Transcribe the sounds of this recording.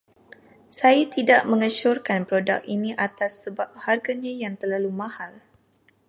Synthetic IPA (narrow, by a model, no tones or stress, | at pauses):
sajat̪idaʔmə̃ŋət͡ʃʊrkanpɾoda̰k̚iniʔat̪asːəbap̚harɡaɲajaŋt̪ərlalumãhal